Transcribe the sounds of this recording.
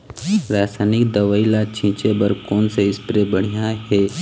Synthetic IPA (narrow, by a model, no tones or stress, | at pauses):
ɾaːsaːnɪkd̪ɐʋaːilat͡ʃʰĩːt͡ʃebəɾkoːnseɪspɾebəɽ̤ijaɦɛː